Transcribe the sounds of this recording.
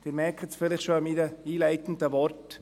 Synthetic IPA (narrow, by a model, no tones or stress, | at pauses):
d̥ɪːɾmɛɾkʰətsfɪlɪχʃoəmiːdəiːlæɪt̪ən̩təʋɔɾt